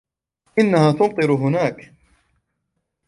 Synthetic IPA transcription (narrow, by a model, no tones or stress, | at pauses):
ʔɪnːahaːt̪ʊnt̪ˤɨɾʊɦʊnaːk